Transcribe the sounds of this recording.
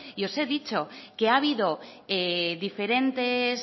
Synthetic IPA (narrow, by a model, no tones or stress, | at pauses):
io̞se̞ðit͡ʃo̞ke̞aβ̞iðo̞eðife̞ɾe̞nt̪es